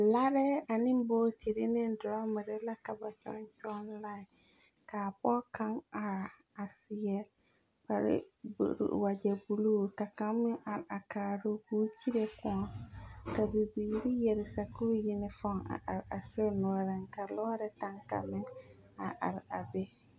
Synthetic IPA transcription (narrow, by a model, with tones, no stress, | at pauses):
la˦ɾɛ˦a˨nɪ˦mboː˦tʰi˨ɾi˦nɪ˦n˦dʊ˨ɾa˦mɪ˨ɾɪ˦la˦ka˨ba˨t͡ʃɔ̰˦nt͡ʃɔ˦nla˦˨ɪ˨ | kaː˨pɔ˦ka˦ŋa˨ɾa˨ | a˨sɪ˨jɛ˦l | ka˨ɾɪ̰˦b̰ɾ̰wa˨d͡ʒɛ˨bu˨luː˦˨ka˨ka˦mːɪ˦ʔa˨ɾɪ˨a˨kaː˨ɾʊ˦kuː˦t͡ʃi˦ɾe˦kʊ̃˨ɔ˨ka˨bi˨biː˨ɾɪ˦jɛ˨ɾɪ˨sa˨ku˦jɪ˦nɪ˦fɔ˦˨ŋa̰˨ʔa̰˨ɾɪ˨a˨sʊ˦nʊ˨˦ɔ˦ɾɪ˦ŋka˨lɔ˦ɾɪ˦ta˦ŋka̰˨mɪ˦ŋ | a̰˨ʔa̰˨ɾa˨be˦